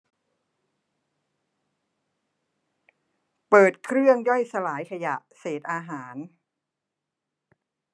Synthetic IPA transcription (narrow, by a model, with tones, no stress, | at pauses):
pɤː˨˩t̪̚kʰɾɯ˥˩əŋjɔ˥˩jsa˧laː˩˦jkʰa˧ja˨˩ʔseː˨˩t̪̚ʔaː˧ɦaː˩˦n